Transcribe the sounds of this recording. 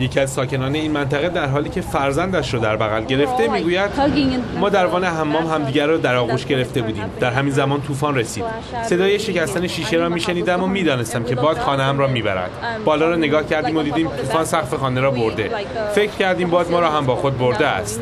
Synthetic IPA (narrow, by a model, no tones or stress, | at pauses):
je̞cʰiæzsɒːcʰe̞nɒːne̞iːnmænt̪ʰæɣe̞d̪æɾɦɒːliːcʰe̞fæɾzænd̪æʃɾɒːd̪æɾbæɣælɟe̞ɾe̞ft̪e̞miːɡuːjæd̪mɒːd̪æɾvɒːneɦæmːɒːmɦæmd̪iːɟæɾːɒːd̪æɾɒːɣuːʃɟe̞ɾe̞ft̪e̞buːd̪iːmd̪̥æɾɦæmiːnzæmɒːnt̪ʰuːfɒːnre̞sḭːd̪̥ | se̞d̪ɒːje̞ʃe̞cæst̪æneʃiːʃe̞ɾɒːmiːʃe̞niːd̪æmomiːd̪ɒːne̞st̪æmcʰe̞bɒːz̥xɒːneæmɾɒːmiːbæ̰ɾæ̰nd̪̥bɒːlɒːɾɒːne̞ɡɒːhcʰæɾd̪iːmod̪iːd̪iːmt̪ʰuːfɒːnsæχfe̞xɒːne̞ɾɒːbo̞ɾd̪e̞ | fe̞cʰɾ̥cæɾd̪iːmbɒːzmɒːɾɒːɦæmbɒːxo̞d̪̚bo̞ɾd̪e̞æ̰st̪